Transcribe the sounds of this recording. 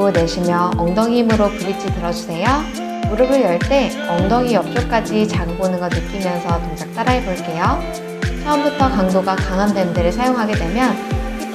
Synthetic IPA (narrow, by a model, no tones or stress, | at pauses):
one̞ɕʰimjʌʌŋdʌŋimɯɾokɯɾit͡ɕʰitɯɾʌd͡ʑusʰe̞jo | uɾɯɡɯɭjʌɭt͈e̞ | ʌŋdʌŋijʌp̚t͡ɕ͈ok͈ad͡ʑit͡ɕaɡɯbonɯnɡʌnːɯk͈imjʌnsʰʌtoŋd͡ʑʰak̚t͈aɾaɦeboɭk͈e̞jo | t͡ɕʰʌɯmbutʰʌkaŋdoɡakaŋɦandwendɯɾɯɭsʰajoŋɦaɡe̞dwe̞mjʌn